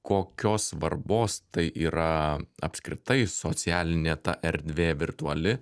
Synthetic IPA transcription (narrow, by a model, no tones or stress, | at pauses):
koːkʲoːsʋɐrboːst̪ɐɪʔiːɾɐɐ̰pskɾʲɪt̪ɐɪsoːt̪t͡ssʲɪæːlʲɪnʲeːt̪ɐ̰ʔɛɾʲd̪ʲʋʲeːʋʲɪrt̪uɐlʲɪ